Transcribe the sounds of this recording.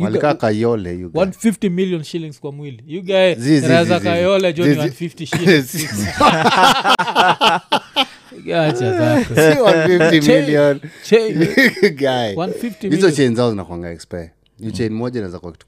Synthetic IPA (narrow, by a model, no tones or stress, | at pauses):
jalkakajɔlɛjuɡwanfiftimiliɔnʃiliŋskwamwilijuɡajziznazakajɔlɛd͡ʒɔwnfiftiʃilzi | ɡat͡ʃabawanfiftimiliɔnt͡ʃenjuɡajwanfiftiizɔt͡ʃejnzaɔzina̰kwaŋɡa̰ɛkspɛ | jut͡ʃejnmɔd͡ʒɛnazakwakt